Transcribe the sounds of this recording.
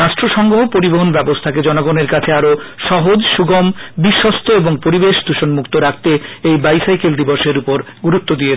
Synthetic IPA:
ɾaʃʈɾoʃɔŋɡoɦopoɾiboɦonbɛbost̪ʰaked͡ʑɔnoɡoneɾkat͡ɕʰeaɾoʃɔɦod͡ʑʃuɡombiʃːɔst̪ʰoeboŋpoɾibeʃd̪uʃonmukt̪oɾakt̪eejbajsajkeld̪iboɾʃeɾupoɾ | ɡuɾut̪ːod̪ie

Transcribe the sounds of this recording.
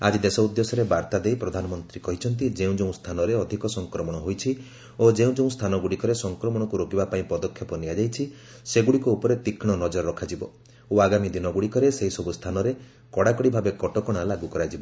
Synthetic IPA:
ad͡ʒid̪esɔud̪jesɔɾebaɾt̪ad̪ejpɾɔd̪ʱanɔmɔnt̪ɾikɔɦit͡ʃʰɔnt̪id͡ʒeũd͡ʒeũst̪ʰanɔɾeɔd̪ʱikɔsɔŋkɾɔmɔɽ̃ɔɦojt͡ʃʰi | od͡ʒeũd͡ʒeũst̪ʰanɔɡuɽikɔɾesɔŋkɾɔmɔɽ̃ɔkuɾokibapaĩpɔd̪ɔkʰːjɔpɔnijad͡ʒajt͡ʃʰi | seɡuɽikuupɔɾet̪ikʰiɽ̃ɔnɔd͡ʒɔɾɔɾɔkʰad͡ʒibɔ | oaɡamid̪inɔɡuɽikɔɾeseɦisɔbust̪ʰanɔɾe | kɔɽakɔɽibʱabekɔʈɔkɔɽ̃alaɡukɔɾajd͡ʒibɔ

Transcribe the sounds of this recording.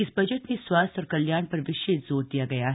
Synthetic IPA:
ɪsbɐd͡ʒəʈ̪neswaːst̪ɔːɾkɐljaːɽ̃pɐɾʋɪʃeːt̪zoːɾd̪ijaɡɐja

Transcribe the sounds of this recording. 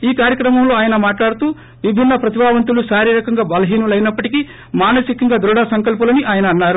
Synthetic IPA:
iːkaːɾjɐkɾɐmɐmlo̞ːaːjɐnɐmaːʈlaːɽut̪uː | ʋibʱinːɐpɾɐt̪ibaːʋɐnt̪uluʃaːɾiɾɐkɐŋɡaːbɐlɐɦiːnulɐjnɐpːɐʈiki | maːnɐsikɐŋɡaːd̪ɾuːɽaːsɐŋkɐlpulɐniʔaːjɐnɐɐnːaːɾu

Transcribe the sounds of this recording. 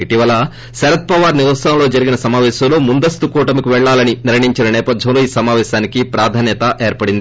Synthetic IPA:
iʈiʋɐlɐ | sɐɾɐt̪̚pɐʋaːɾniɾusɐmlo̞ːd͡ʒɐɾiɡinɐsɐmaːʋɛːʃɐmlo̞ːmund̪ɐst̪ukuːʈɐmikuʋɛɭːaːlɐniniɾɐɳiɲt͡ʃinɐnɛːpɐd̪ʱjɐmloːiːsɐmaːʋɛːʃaːnikipɾaːd̪ʱaːnjɐt̪ɐʔeːɾpɐɽind̪ii

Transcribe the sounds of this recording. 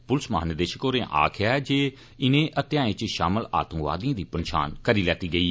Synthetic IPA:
pʊlsmaːnəd̪eːʃəkoːɾẽːʔa̰ːkʰɪaːɛd͡ʒeː | ɪnẽːʔət̪ɪjaːẽt͡ʃʃaːməla̰ːt̪ə̃ŋɡʋa̰ːd̪ijãːd̪iːpənʃa̰ːnkəɾiːlɛːt̪iːɡəiː

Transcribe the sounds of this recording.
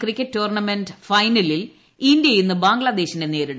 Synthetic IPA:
krikʲːetːoːrɳɐmendfɐjnɐlil | ind̪jɐjunːɨbaːŋɡɭɐd̪e̞ːɕinde̞ne̞ːɾiɽɨ

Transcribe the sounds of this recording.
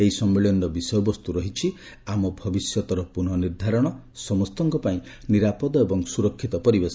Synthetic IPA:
eisɔmːeɭjɔnɖɔbisɔjɔbɔst̪uɾɔɦit͡ʃʰi | amɔbʱɔbisjɔt̪ɔɾɔpunɔniɾd̪ʱaɾɔɽ̃ɔ | sɔmɔst̪ɔŋkɔpaĩ | niɾapɔd̪ɔebɔŋsuɾɔkʰːit̪ɔpɔɾibes

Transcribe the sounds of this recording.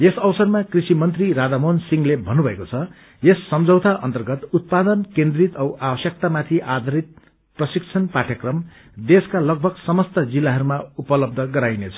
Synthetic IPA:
esʌwsʌrmakrisimʌnt̪riɾad̪amonsiŋlebʱʌnːubʱʌekot͡sʰʌ | esːʌmd͡zʱʌwt̪aʔʌ̰nt̪ʌrɡʌt̪ut̪̚pad̪ʌnkẽnd̪rit̪ʌwʔabʌsjʌk̚t̪amat̪ʰiʔad̪ʱʌɾit̪̚ | prʌsikt͡sʰʌnpaʈʰjʌkrʌm | d̪eskalʌɡ̚bʱʌɡsʌmʌst̪ʌd͡zilːaɦʌɾumaupʌlʌb̚d̪ʱʌɡʌɾajnet͡sʰʌ̥

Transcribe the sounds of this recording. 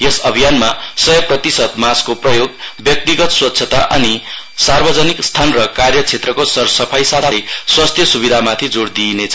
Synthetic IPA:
jesʌbʱijanmasʌjʌprʌt̪isʌd̪maskoprʌjoɡbjʌk̚t̪iɡʌt̪swʌtːsʰʌt̪aʔʌ̰ni | sarbʌd͡zʌnikst̪ʰanrʌkarjʌt͡sʰet̪rʌkosʌrsʌpʰajsat̪ajswast̪ʰjʌsubid̪ʱamat̪ʰid͡zoɽd̪inet͡sʰ

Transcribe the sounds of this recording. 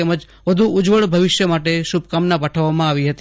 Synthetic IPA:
eməd͡ʒ | ʋəd̪ʱuʊd͡ʒʋəɭbʱəʋɪʃjəmaʈeʃub̚kamnapaʈʰəʋːamãaʋiɦət̪i

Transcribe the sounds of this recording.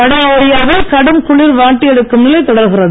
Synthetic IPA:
ɐɽɐɐɪjɐʋɐlkɐɽɯmkʊɭɪɾʋaːʈːɪɛɽɯkːɯmnɪlɐɪt̪ɔɽɐɾɣɪɾɐðɯ

